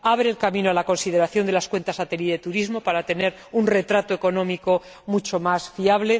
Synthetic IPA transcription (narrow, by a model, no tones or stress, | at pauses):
aβ̞ɾeːlkamĩnoalako̞nsið̞e̞ɾaθjo̞nd̪elaskwe̞nt̪asat̪eliðe̞t̪uɾizmo̞paɾat̪e̞ne̞ɾ | unre̞t̪ɾat̪oe̞ko̞nõ̞miko̞ | mut͡ʃo̞masfiaβ̞le̞